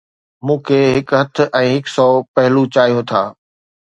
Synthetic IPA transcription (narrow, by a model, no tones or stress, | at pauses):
mũːkʰeːɦɪkɦɐt̪ʰʊ̆ʔɛ̃ːɦɪksɔːpɐɦɪlut͡ɕaːijot̪ʰaː